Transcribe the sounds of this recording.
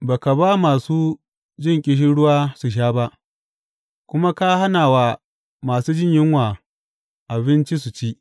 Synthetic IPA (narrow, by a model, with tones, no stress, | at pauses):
baː˨ka˨baː˦maː˨suː˦ | d͡ʒɪ˦˨ŋkʲʼɪ˦ʃ̬ɪ˦ɽʊ˦waː˦su˨ʃ̬aː˦ba˦ʔ | kʷʊ˦ma˦ka˦ha˦naː˨wa˨ | maː˨suː˦d͡ʒɪ˦ɲjɪ˦ŋwaː˨ | ʔa˨bɪ˦nt͡ʃi˦s̬u˨t͡ʃi˦ʔ